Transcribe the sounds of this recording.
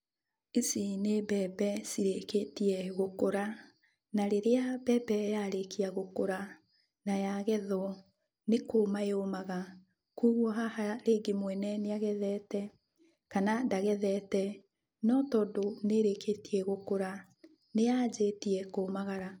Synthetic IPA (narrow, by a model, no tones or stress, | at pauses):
esinebɛbɛsiɾeketiɛɣokoɾa | naɾeɾeabɛbɛjaɾekiaɣokoɾa | najaɣɛðɔ | nekoːmaeomaɣa | kuːɣwɔɦahaɾeːɡemwɛnɛneaɣɛðɛːtɛ | kanandaɣɛðɛtɛ | nɔtɔːdoneɾekʰetiɛɣokoɾa | nejaːd͡ʒeːtiɛkoːmaɣaɾa